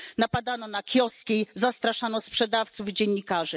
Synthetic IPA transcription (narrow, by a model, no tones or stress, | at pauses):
napad̪anɔnakʲjɔskʲejzast̪ɾaʂanɔspʂɛd̪aft̪suvd͡ʑɛɲːikaʐɘ